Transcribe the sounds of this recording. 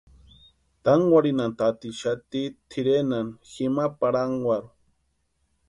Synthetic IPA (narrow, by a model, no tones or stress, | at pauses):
t̪aŋwaɾinant̪at̪iʃat̪it̪ʰiɾenanximapaɾaŋɡwaɾu